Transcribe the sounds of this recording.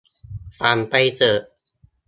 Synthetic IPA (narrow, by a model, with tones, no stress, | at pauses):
faː˨˧˩npa˧jt̪ɤː˨˩ʔ̚